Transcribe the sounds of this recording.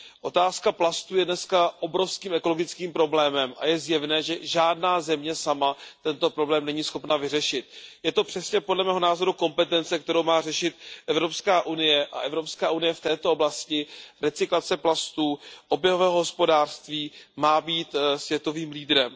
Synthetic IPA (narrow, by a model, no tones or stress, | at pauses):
ʔo̞t̪aːskaplast̪uːjɛdnɛskaʔo̞bɾo̞fskiːmɛko̞lo̞ɡɪt͡skiːmpɾo̞blɛːmɛmʔa̰jɛzjɛvnɛːʒɛʒaːdnaːzɛmɲɛsamat̪ɛnt̪o̞pɾo̞blɛːmnɛɲiːsxo̞pnavɪrɛʃɪt̪̚jɛt̪o̞pr̝̥ɛsɲɛpodlɛmɛːɦo̞naːzo̞ɾuko̞mpɛt̪ɛnt͡sɛk̚t̪ɛɾowmaːr̝ɛʃɪt̪̚ʔɛvɾo̞pskaːʔunɪjɛʔa̰ʔɛvɾopskaːʔunɪjɛft̪ɛːt̪o̞oblascɪɾɛt͡sɪklat͡sɛplast̪uːʔo̞bjɛɦo̞vɛːɦoɦo̞spodaːr̥st̪viːmaːbiːt̪svjɛt̪o̞viːmliːdɾɛm